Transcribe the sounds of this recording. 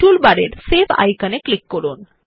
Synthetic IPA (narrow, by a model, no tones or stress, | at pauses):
ʈulbaɽeɾseba̰jkaneklikːoɾun